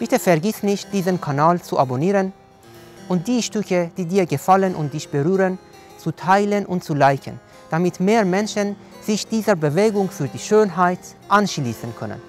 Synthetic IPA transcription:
b̥ɪtəfɛɐɡɪsnɪçt̚d̥iːzənkʰanaːlt͡suʔaboniːʁən | ʔʊnt̚d̥iːʃtʏkəd̥iːdiːɐɡəfalənʔʊ̰nt̚d̥ɪçb̥əʁyːʁən | t͡sutʰaɪlənʔʊntt͡sulaɪçə̰n | d̥amɪtmeːɐmɛnʃən | z̥ɪçd̥iːzəbəveːɡʊŋfyːɐdiːʃøːnɦaɪtʔanʃliːsənkʰœ̰nə̰n

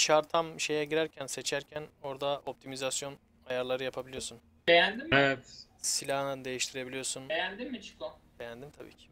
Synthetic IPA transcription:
ʃaɾt̪ʰamʃe̞jɛɟiɾæɾcʰænse̞t͡ʃʰæɾcʰæno̞ɾd̪ao̞p̚t̪ʰimizasjo̞n | ajaɾlˠaɾɯjapʰabilʲiosun | b̥ejænd̪imevɛt̪silʲaːɯnɯnd̪e̞jiʃt̪ʰiɾe̞bilʲijoɾsunejænd̪imːit͡ʃʰɯ̥kob̥e̞jænd̪imt̪ʰabḭːcʰi̥

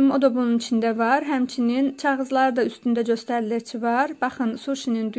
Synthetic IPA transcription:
mod̪ɑbununit͡ʃʰind̪ævɑɾɦæmt͡ʃʰinint͡ʃʰɑʁɯzlˠɑɾd̪ɑyst̪ynd̪æd͡ʒøst̪æɾliɾt͡ʃʰivɑɾbɑχɯnsuɾʃinind̪y

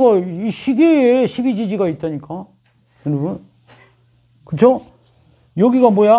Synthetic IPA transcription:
ɡʌiɕʰiɡeeɕʰibid͡ʑid͡ʑiɡait̚t͈ʌɲik͈a | jɯnɯbun | kɯt͡ɕʰo | jʌɡiɡamwoja

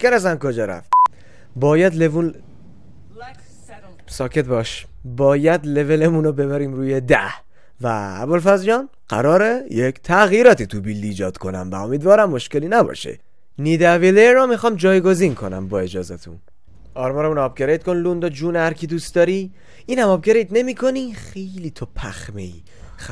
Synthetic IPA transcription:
kenæsæmkod͡ʒɒɾæ̰ft̪ | bɒːjæd̪levun | sɒːkʰe̞t̪̚bɒʃ | bɒːjæd̪le̞velemunobe̞βæɾiːmɾuːjed̪æ̰h | væ̰ːbolfæzjɒːn | ɢ̥æ̰ɾɒːɾejekʰt̪ʰæɣiːɾɒːt̪ʰit̪ʰubilːiːd͡ʒɒ̰ːd̪̥kʰo̞næ̰mvæ̰omiːd̪vɒːɾæmːo̞ʃkeliːnæbɒ̰ʃḛ | niːd̪ævileɾɔmixɒːmd͡ʒɒːjɡo̞ziːnkʰo̞næ̰mbɒːe̞d͡ʒɒːzæt̪ʰṵn | ɒːɾmɒːɾemunɒːb̚ɡe̞ɾejt̪̚konlund̪ɒd͡ʒuːnhæɾkʰid̪uːst̪d̪ɒːɾi | iːnhæmɒːbɡeɾejd̪ne̞miːkʰo̞nixejliːt̪ʰopʰæxme̞̰ḭː

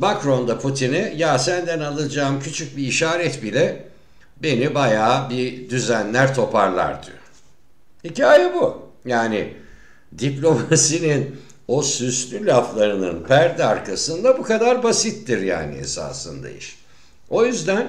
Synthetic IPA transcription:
makɾo̞nd̪apʰut̪ʰinɛjasænd̪ænalˠɯd͡ʒaːmcʰyt͡ʃʰyc̚biːʃaːɾɛt̪bilʲɛ | be̞nibajaːbid̪yzænlʲæɾt̪ʰo̞paɾlˠa̰ɾd̪yjoɾ | hicaːjɛbu | jaːni | d̪iplʲo̞masinin | o̞syslʲylʲaflˠaɾɯnɯ̰npʰæɾd̪ɛaɾkʰasɯnd̪abukad̪aɾbasit̪ːiɾja̰ːnḭḛsa̰ːsɯ̰nd̪a̰ḭʃ | o̞jyzd̪æn

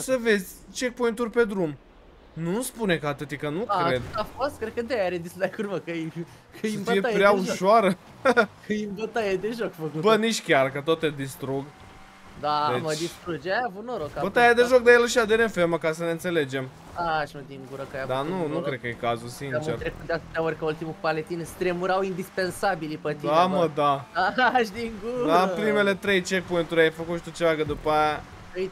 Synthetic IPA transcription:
səve̞zʲt͡ʃe̞pojint̪urʲpe̞d̪ɾum | nuspunekat̪ɨt̪jikənukaɾe̞d̪afost̪̚kɾed̪̚kəd̪ejaɾed̪isd̪akuɾvəkə | kʰəiəfijeappɾʲeauʃoaɾə | kəimbət̪ajed̪eʒokfəkubəniʃkʲarkət̪ot̪ːed̪ist̪ɾuɡ | d̪aeməd̪ist̪ɾud͡ʒajavunoɾokabot̪ajejd̪eʒok̚d̪eelaʃiad̪enefeməkasəneɨnse̞le̞d͡ʒe̞m | aʃnut̪imɡuɾəkajad̪anunukɾe̞d̪̚kəje̞kazulsint͡ʃeɾt̪ɾekut̪d̪eat̪ɨt̪eaorʲkəult̪imupalet̪inst̪ɾemuɾawind̪ispensabilipət̪iaməd̪aaʃd̪iŋɡuapɾime̞le̞t̪ɾe̞jt͡ʃepunt̪uɾʲajfəkut̪ʃi̥t̪ut͡ʃeaɡəd̪upəaja

